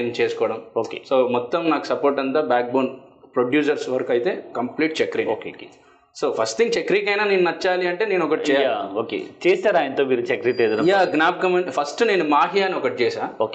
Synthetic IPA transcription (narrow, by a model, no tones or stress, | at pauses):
nt͡ʃeːsu̥kɔːɽɐmoːkḛsoːmɔt̪ːɐmnaːku̥sɐpoːɾʈ̬ɐnt̪aːbaːk̚boːnpɾoɖjuːs̬ɐɾsʋɐɾɐkɐjit̪e̞ːkɐmpliːʈ̚t͡ʃekɾiŋoːk | soːpʰɐsʈt̪ʰiŋɡ̚t͡ʃekɾikɐjnaːneːnunɐt͡ʃːaːliɐɳʈeːne̞ːnɔkɐʈit͡ʃɛːjaaoːkḛt͡ʃeːsaːɾaːjɐnt̪oːmiːɾut͡ʃekɾiʈleːd̪uɾjaːɡnaːb̚kɐmeɳpʰɐsʈne̞ːnumaːɦijaːniɔkɐʈit͡ʃeːsaːoːk